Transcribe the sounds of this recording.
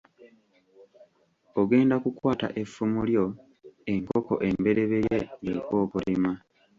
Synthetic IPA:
oɡe̞ːndakukwaːta̰ʔefːumuljo̞ | e̞ŋkoko̞̰ʔe̞mbe̞ɾe̞βe̞jeɡekwo̞ːkulima

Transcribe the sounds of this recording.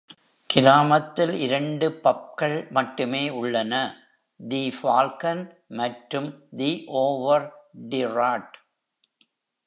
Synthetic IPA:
kɪɾaːmɐt̪ːɪlɪɾɐɳɖɯpɐp̚kɐɭmɐʈːɯmeːʊɭːɐnɐ | d̪iːfaːlkɐn | mɐʈɾɯmd̪iʔoːʋɐɾɖɪraːʈ

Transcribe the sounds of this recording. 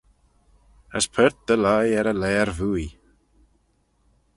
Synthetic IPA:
ə̰spʰɛɾt̪əlajɛɾəlɛːaɾvuːi

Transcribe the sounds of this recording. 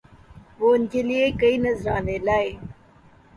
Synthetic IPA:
ʋoːnd͡ʑeliekɐinɐzɾãːneːlaːe

